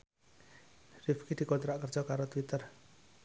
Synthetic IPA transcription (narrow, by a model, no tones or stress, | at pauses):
rifkid̪̥i̤kɔnt̪ɾaʔkərd̥ʒ̥ɔkaɾot̪wit̪ər